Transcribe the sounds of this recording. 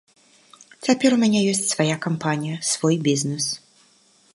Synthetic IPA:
t͡sʲapʲɛɾumʲanʲɛjɔsʲt͡sʲsvajakampanʲijɐsvɔjbʲiznɛs

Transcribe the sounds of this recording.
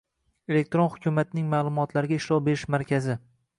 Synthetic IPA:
e̞le̞k̚ʲt̪ɾonhʊkʲʊmat̪nɪŋmaːlˠʊmɒt̪ʰlaɾɪɡʲaɪʃlɒwbeɾɪʃmaɾkʲʰazɪ

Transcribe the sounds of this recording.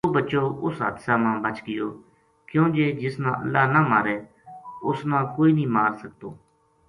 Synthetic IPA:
oːbəːt͡ʃoːʔʊsɦa̰ːd̪saːmãːbət͡ʃɡɪjoː | kjõːd͡ʒeːd͡ʒɪsnã̰ːʔə̰lːaːnaːmaːɾeː | ʊsnãːkoːiːnĩːmaːɾsək̚t̪oː

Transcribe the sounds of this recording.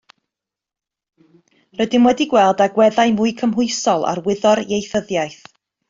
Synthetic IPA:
rədɪmwɛdiɡwɛlˠdaɡwɛðajmʊɨkʰəmɦʊɨsɔlˠa̰rwɪðɔɾjejθəðjajθ

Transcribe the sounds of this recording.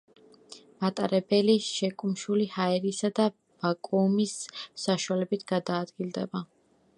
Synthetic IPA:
mat̪ʼaɾɛbɛliʃɛkʼumʃulihaɛɾisad̪a | b̥akʼumisːaʃualɛbit̪ʰɡ̥ad̪aːd̪ɡilˠd̪ɛ̰ba

